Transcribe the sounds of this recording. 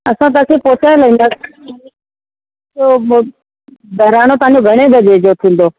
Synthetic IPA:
ɐsãt̪̬aːkʰeːpoːt̪ʰãːləĩːnd̪ã | o | bʱɐɾaːñot̪əɦãɲd͡ʑoɡʱəɽ̃eb̪ʱəd͡ʑeːd͡ʑot̪ʰĩːn̆d̪oː

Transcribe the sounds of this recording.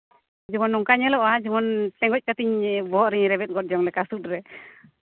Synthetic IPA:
d͡ʒɔmɔnːɔŋkaɲɛlɔʔad͡ʒɔmɔnt̪ɛŋɡɔc̚kat̪iɲbɔɦɔʔɾiɲɾɛbɛt̪̚ɡɔt̚d͡ʒɔŋlɛkasut̪̚ɾɛ

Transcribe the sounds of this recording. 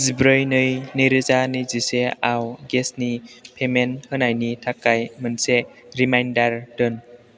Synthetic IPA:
zibɾɯjnɯjnijɾɯzaniziseawɡesnipʰemenhɯnajnitʰakːajmɯnse | ɾimajndaɾdɯn

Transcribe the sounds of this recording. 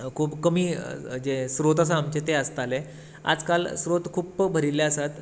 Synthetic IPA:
kʰuːpkəmiːd͡zesɾot̪əs̬aːmt͡ɕet̪eəst̪ale | a̰d͡zkalsɾot̪kʰuːpbʱəɾileəsat̪

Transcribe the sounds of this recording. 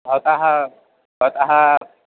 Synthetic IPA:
ɦot̪aɦa | ɦot̪aɦa

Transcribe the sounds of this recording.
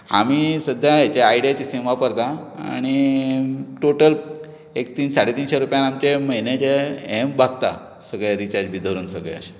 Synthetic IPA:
a̰misəd̪ʱjaat͡ɕeaiɖijat͡ɕisĩʋapəɾt̪aa̰ɽ̃i | ʈoʈəl | ek̚t̪iːnsaɽet̪iːnɕeɾupjanamt͡ɕeməɦjnat͡ɕeembʱaɡt̪a̰ | səɡɭeɾit͡ɕaɾd͡ʑbʱid̪ʱəɾuːnsəɡɭɛ̰ə̰ɕe̥

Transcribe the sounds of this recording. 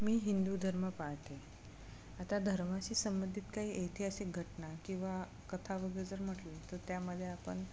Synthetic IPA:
miːɦind̪ud̪ʱəɾməpaɦt̪e | at̪ad̪ʱəɾmat͡ɕiːsəmbənd̪ʱit̪kaɦiːʔejt̪ʰeəseɡʱəʈnakĩw̃ʋa | kət̪ʰaʋəɡəd͡zəɾm̤əʈlet̪əɾt̪jaməd̪ʱːjeapə̰ɳ

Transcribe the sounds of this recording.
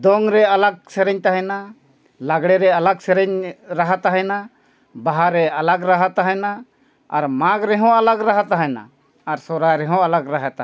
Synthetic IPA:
d̪ɔŋɾɛalaɡ̚sɛɾɛɲt̪aɦɛna | laɡɽɛɾɛalaɡsɛɾɛɲɾaɦat̪aɦɛna | baɦaɾɛalaɡɾaɦat̪aɦɛnaː | ɾmãɡɾɛɦɔ̃alaɡɾaɦat̪aɦɛna̰ː | ɾsɔɾajɾɛɦɔ̃alaɡɾaɦat̪a

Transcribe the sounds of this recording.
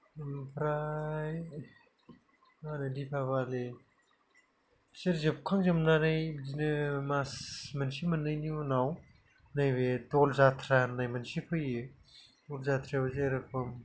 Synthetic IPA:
mpʰɾaj | anɯdipʰabale | seɾzep̚kʰaŋzɯmnanajzinɯmasmansimɯnɯjniunaw | najbedɔlzatʰɾanajmansipʰɯjɯ | ulzat̪ʰɾabzeɾɯpʰɯm

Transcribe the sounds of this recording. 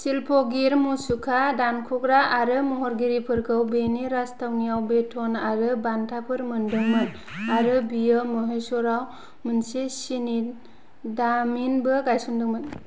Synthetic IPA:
silpʰɔɡiɾmusukʰadankʰukɾaaɾɯmɔɦɔɾɡiɾipʰɯɾɡɯwbeniɾastʰawnijawbetʰɔnaɾɯbantʰapʰɯɾmɯndɯŋmɯn | aɾɯbijɯmɯɦejsɔɾaw | mɯnsesini | daminbɯɡajsundɯŋmɯn

